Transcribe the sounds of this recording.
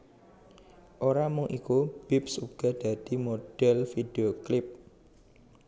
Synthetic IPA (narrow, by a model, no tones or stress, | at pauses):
ʔoɾamʊŋʔikub̥ip̚suɡ̥a̤d̪̥a̤d̪̥i̤mod̥ɛlfid̪̥eoklɪp̚